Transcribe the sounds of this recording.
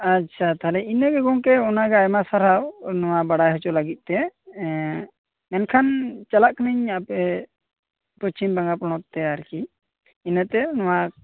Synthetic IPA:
at͡ʃʰat̪aɦlɛinəɡɛɡɔŋkɛɔnaɡɛajmasaɾawnɔwabaɽajɦɔt͡ʃɔlaɡit̪̚ˀt̪ɛ | mɛnkʰant͡ʃalaʔkəniɲapɛ | pɾɔt͡ʃimbaŋɡapɔɽ̃ɔt̪t̪ɛaɾki | inət̪ɛnɔwa

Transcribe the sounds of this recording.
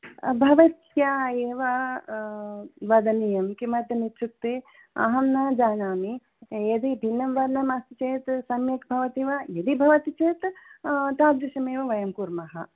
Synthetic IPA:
bʱɐʋɐt̪jaːeːʋɐ | ʋɐd̪ɐnijɐmkimɐd̪ɐnit͡ʃʰuk̚t̪e | ɐ̰ɦɐmnaːd͡ʒaːnaːmi | jɐd̪ibʱinːɐmʋɐɾnɐmast̪it͡ʃeːt̪sɐmjɐkbʱɐʋɐt̪iʋɐjɐd̪ibʱɐʋɐt̪it͡ʃeːt̪t̪aːd̪ɾɐʃɐmeːʋɐʋɐjɐmkuɾmɐɦɐ

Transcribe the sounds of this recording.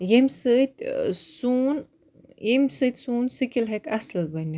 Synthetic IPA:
jemʲsɨt̪ʲsun | jemʲsɨt̪ʲsuːnsɨkʲilɦekasəlbɐnʲi

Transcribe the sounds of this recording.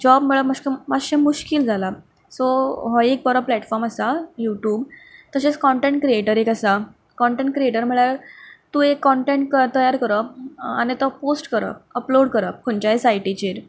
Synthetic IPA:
d͡ʑɔbməɭəməskəmaɕemuɕkild͡zʱala | sɔɦɔjek̚bɔɾaplɛʈfɔɾməsajuʈjuːbt̪əɕet͡skɔɳʈeɳʈ̚kɾieʈəɾekasa | kɔɳʈeɳʈ̚kɾieʈəɾm̤əɭjaɾt̪ũːekːɔɳʈeɳʈ̚kət̪əjaɾkəɾəanit̪ɔposʈkəɾə̰əploɽkəɾəpuɲt͡ɕaesajʈit͡ɕeɾ

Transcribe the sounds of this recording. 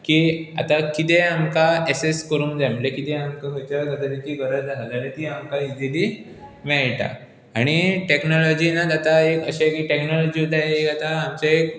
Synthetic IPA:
kia̰t̪akit̪eamkaeseskəɾuːŋd͡zamulekit̪eamkaɡət͡ɕaɾk̪ad̪əɾekiɡəɾəd͡zakad͡zalet̪iamkaid͡zili | mɛɭʈa̰ | aɽ̃iʈeknɔlɔd͡ʑiːnat̪at̪aekəɕakiʈeknɔlɔd͡ʑiːud̪ʱajekat̪aːmt͡saek

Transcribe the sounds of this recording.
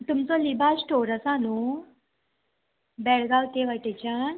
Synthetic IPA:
t̪umt͡solibʱasʈoːɾəsaːnu | bɛɭɡaːwt̪eʋəʈet͡ɕan

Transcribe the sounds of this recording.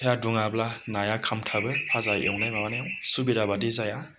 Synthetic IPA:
ejaduŋablanajakʰamtʰabɯpʰazajɯ̰wnajmabanajaŋsubidabadizaja

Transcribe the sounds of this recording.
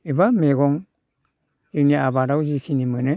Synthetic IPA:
ibameɡɔŋ | ziniabaɾawzikʰinimɯnɯ

